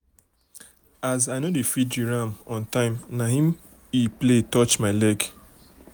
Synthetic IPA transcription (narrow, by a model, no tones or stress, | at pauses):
azaɪnodefid͡ʒiɹãmɔ̃ntãɪ̃mnaɦĩm | ipletɔt͡ʃmaɪlɛɡ